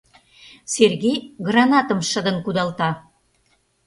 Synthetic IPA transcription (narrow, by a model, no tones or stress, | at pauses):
serɣejɣrɑnɑt̪ə̆mʃəd̪ə̆nkud̪ɑlt̪ɑ